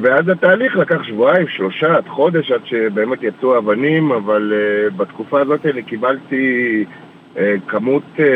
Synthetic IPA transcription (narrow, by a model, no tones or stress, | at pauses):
veazat̪aːliχlakaχʃvuaimʃlo̞ʃad̪χo̞d̪e̞ʃad̪ʃe̞be̞ːme̞t̪jat͡suaːvanimavalebat̪kufaːzo̞t̪elikibalti | ekamut̪